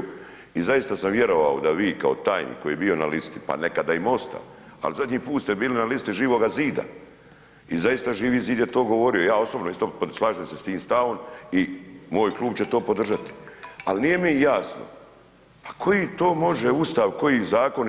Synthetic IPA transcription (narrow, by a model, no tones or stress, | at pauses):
izajist̪asamʋje̞ɾo̞ʋa̰od̪aʋiːkao̞̰t̪aːjnḭːkːo̞jiːjebio̞na̰list̪ipa̰nekad̪aimo̞st̪a̰a̰luzad̪ɲiːpuːt̪st̪ebiːlinalist̪iʒiːʋo̞ɡaziːd̪a̰ | izajist̪aʒiːʋiːziːd̪jet̪o̞ːɡo̞ʋo̞ɾijojaːo̞sobnoist̪opslˠaːʒeːmsest̪iːmst̪aomimo̞ːjklˠuːbt͡ɕet̪o̞ːpo̞d̪r̩ʒat̪i̥alnije̞mijaːsno̰ | pḁkʰo̞jit̪o̞ːmo̞ʒeust̪aʋko̞jizaːko̞n